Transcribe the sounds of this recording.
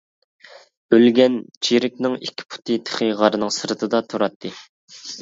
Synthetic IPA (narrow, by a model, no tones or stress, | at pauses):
ølɡʲɛnt͡ʃʰiɾɪkʲnɪŋikʲʰːi̥pʰu̥t̪ʰɨt̪ʰə̥χɨʁɑɾɨnɨŋsɨɾɨt̪ʰɨd̪ɑt̪ʰuɾɑt̪ʰːɨ